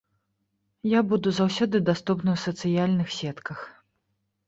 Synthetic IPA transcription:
jabud̪uzawsʲɔd̪ɨd̪ast̪upnɨwsɐt̪sɨjalʲnɨxsʲɛt̪kɐx

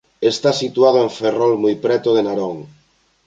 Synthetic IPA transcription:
est̪asit̪waðoeɱferɔlmujpɾɛt̪oðenaɾoŋ

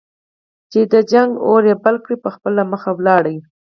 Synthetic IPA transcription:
t͡ʃed̪əd͡ʒaŋɡoɾjebalkɽipəxpəlaməxawlɑɽaji

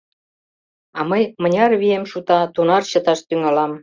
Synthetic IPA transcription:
ɑməjmə̆nʲɑrβiemʃut̪ɑt̪unɑrɕɤ̆t̪ɑʃt̪yŋɑlɑm

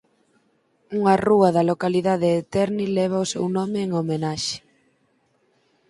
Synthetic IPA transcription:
uŋɐruɐðɐlokaliðaðeːt̪ɛɾnilɛβ̞ɐʊsewnɔmɪːŋomenaʃɪ̥

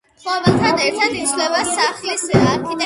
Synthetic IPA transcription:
χlɔvɛlˠt̪ʰanɛɾt̪ʰad̪it̪sʰlɛvasaχisaɾkʰit̪ʼɛ

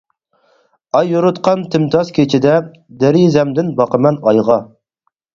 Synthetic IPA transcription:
ɑjːuɾut̪qʰɑnt̪ʰɪmt̪ʰɑskʲʰet͡ʃʰɪd̪ɛ | d̪ɛɾizɛmd̪ɪnbɑqəmɛnɑjʁɑ

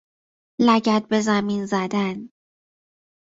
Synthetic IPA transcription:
læɟæt̪̚be̞zæminzæd̪æn

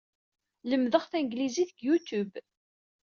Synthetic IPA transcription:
ləmðəχθæŋɡliziθəɡjut̪ub

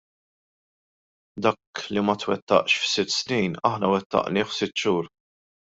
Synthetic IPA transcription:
d̪ɐːklimɐt̪wɛt̪ːɐ̰ʔʃfsɪt̪ːsnijnɐħnɐwɛt̪ːɐ̰ʔnɪːħsɪt̪ːʃuːɾ

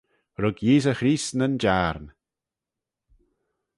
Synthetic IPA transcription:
ɾəɡjiːzəxɾiːsnənd͡ʒaɾn

